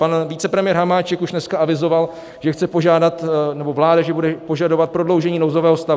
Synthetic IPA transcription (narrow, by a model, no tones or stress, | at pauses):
panvit͡sɛpɾɛmɪjɛɾɦamaːt͡ʃɛkuʃnɛskaavɪzo̞val | ʒ̥ɛxt͡sɛpo̞ʒaːdat̪nɛbo̞vlaːdaʒɛbudɛpo̞ʒado̞vat̪̚pɾo̞dlowʒɛɲiːnowzo̞vɛːɦost̪a